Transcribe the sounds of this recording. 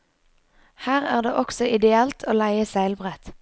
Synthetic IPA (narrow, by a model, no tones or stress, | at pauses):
hæːʁæ̰ːʁd̪ḛːʔɔksɔʔɪd̪ɛɛlt̪ʰoːlæɪəsæɪlbʁɛt̪